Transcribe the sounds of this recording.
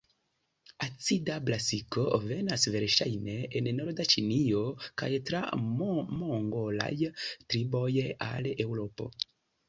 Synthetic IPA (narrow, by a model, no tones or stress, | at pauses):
at͡sidablasiko̞ve̞nasve̞ɾʃajne̞enno̞ɾdat͡ʃinio̞kajtɾamoŋɡo̞la̰jtɾibo̞ja̰le̞wɾo̞po̞̰